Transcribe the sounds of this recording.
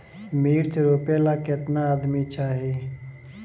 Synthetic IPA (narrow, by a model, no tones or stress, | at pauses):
miːɾt͡ʃəɾoːpelakɪt̪naːd̪mit͡ʃaːɦiː